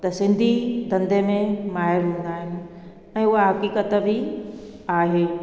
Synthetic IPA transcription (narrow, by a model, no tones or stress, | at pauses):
t̪ɐsɪ̃nd̪ʱid̪ɐ̃nd̪emẽmaːɪɾɦũːn̆d̪aːɦɪnɪ̆ | ɛ̃ːʊɦaɦɐkiːkət̪bʱi | aːɦeː